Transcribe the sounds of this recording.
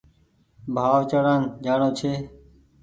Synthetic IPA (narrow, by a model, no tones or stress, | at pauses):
bʱaːʋt͡ʃəɽaːnd͡ʒaːɳõːt͡ʃʰeː